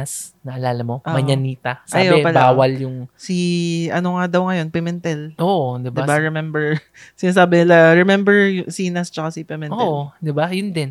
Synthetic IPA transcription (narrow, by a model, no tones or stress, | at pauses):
snɐʔɐlaːlɐmo̞ʔamɐɲɐniːt̪ɐsajabwpɐlaːwɐljʊŋsiʔɐnoŋad̪ɐwŋɐjo̞npɛmɛnt̪ɛlʔoʔd̪ɪb̪d̪ɪbaɹɛmɛmbɛɹ | sɪnaːsaːbɪnɪlaɹɛmɛmbɛɹjʊsiːnɐst͡ʃɐkasipɛmɛnoɛʔd̪ɪbajʊnd̪ɛn